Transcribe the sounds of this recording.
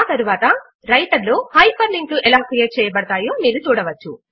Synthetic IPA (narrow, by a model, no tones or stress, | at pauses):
t̪ɐɾuʋaːt̪ɐ | ɾɐjʈɐɾloːhɐjpɐɾliŋʈuʔɛlaːkɾijeːʈ̚t͡ʃɛːjɐbɐɽɐt̪aːjoːmiːɾut͡ʃuːɽɐʋɐt͡ʃːṵ